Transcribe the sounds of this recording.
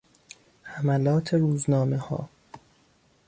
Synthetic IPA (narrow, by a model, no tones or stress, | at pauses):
hæmælɒːt̪ʰeɾuːznɒːmehɒ̰ː